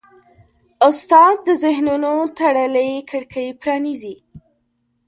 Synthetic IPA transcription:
ʊst̪ɑd̪̚d̪əzɪɦnunot̪aɽələjkəɽkʰəjpɾɑnizi

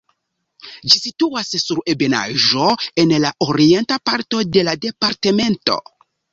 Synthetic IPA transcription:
d͡ʒisituassuɾebe̞na̰ʒo̞e̞nlaʔoɾie̞ntapaɾto̞de̞lade̞paɾte̞me̞nto̞̰

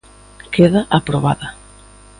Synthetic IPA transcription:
kʰeðaʔapɾoβ̞a̰ðɐ

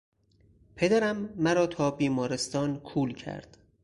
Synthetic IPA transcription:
pʰe̞d̪æɾæmːæɾɒːt̪ʰɒːbiːmɒːɾest̪ɒːnkʰuːlcʰæ̰ɾd̪̥

